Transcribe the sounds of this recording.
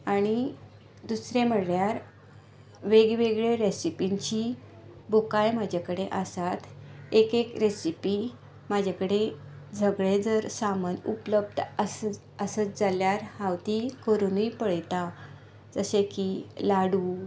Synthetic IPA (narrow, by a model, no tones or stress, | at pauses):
aɽ̃i | d̪usɾẽm̤əɽɭjaɾ | ʋeɡʋeɡɭeɾesipint͡ɕi | bokajmad͡ʑʱakəɽeʔəsat̪ekekɾesipi | mad͡ʑʱakəɽe | d͡zʱəɡɭed͡zəɾsamənṵpləb̚d̪əs | əsət͡sd͡zaljaɾhawt̪ikəɾunujpəɭt̪a | d͡zəsẽkilaɽuː